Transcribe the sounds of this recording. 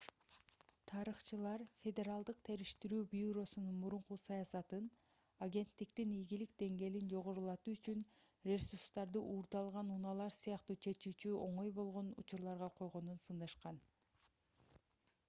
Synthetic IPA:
t̪ʰɑɾɯχt͡ʃɯlˠɑɾfʲe̞d̪ʲe̞ɾalˠd̪ɯq̚t̪ʰe̞ɾiʃt̪iɾyːbjuɾo̞sununmuɾuɴqusɑjɑsɑt̪ɯn | aɡʲe̞nt̪ːikt̪inijɡilik̚d̪e̞ŋɡe̞lind͡ʒo̞ʁo̞ɾulˠɑt̪uyt͡ʃynrʲe̞surst̪ɑɾd̪ɯʔuːɾd̪ɑlˠʁɑnunɑlˠɑɾsɯjɑqt̪uːt͡ʃʰe̞t͡ʃyːt͡ʃyo̞ɴo̞jbo̞lˠʁo̞nṵt͡ʃuɾlˠɑɾʁɑqʰo̞jʁo̞nunsɯnd̪ɑʃqɑn

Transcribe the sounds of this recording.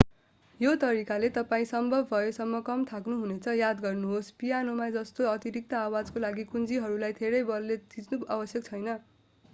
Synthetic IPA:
jot̪ʌɾikalet̪ʌpaĩsʌmbʱʌbʱbʱʌjosʌmːʌkʌmt̪ʰaknuɦunet͡sʰʌjad̪ɡʌrnuɦospijanomad͡zʌst̪oʌt̪iɾik̚t̪ʌawad͡zkolaɡikund͡ziɦʌɾulajt̪ʰeɾʌjbʌlːed̪id͡znuabʌsjʌk̚t͡sʰʌjnʌ

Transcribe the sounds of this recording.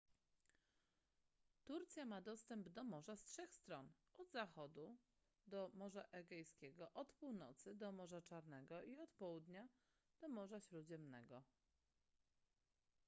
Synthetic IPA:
t̪uɾt̪sʲjamad̪ɔst̪ɛmbd̪ɔmɔʐastʂɛxst̪ɾɔn | ɔd̪zaxɔd̪u | d̪ɔmɔʐaʔɛɡɛjskʲɛɡɔʔɔt̪puwnɔt̪sɘd̪ɔmɔʐat͡ʂaɾnɛɡɔʔiɔt̪pɔwud̪ɲa | d̪̥ɔmɔʐaɕɾud͡ʑɛmnɛ̰ɡɔ

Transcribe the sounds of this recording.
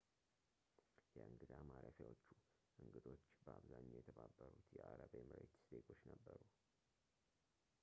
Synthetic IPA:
jɛʔɨŋɡɨd̪amaɾəfjawo̞t͡ʃːu | ʔɨŋɡɨd̪o̞t͡ʃːbəaβzaɲːjɛt̪ʰəβabːəɾut̪jɛʔaɾəβajmɨɾet̪sd̪eɡo̞t͡ʃːnəbːəɾu

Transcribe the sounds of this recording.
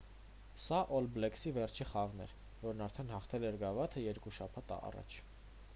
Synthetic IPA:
sɑʔɔlblɛksivɛrt͡ʃʰiχɑʁnɛ̰ɾ | vɔɾnɑɾt̪ʰɛnhɑχt̪ʰɛlɛɾɡɑvɑt̪ʰəjɛɾkuʃɑpʰɑt̪ɑ̰rɑ̰t͡ʃʰ

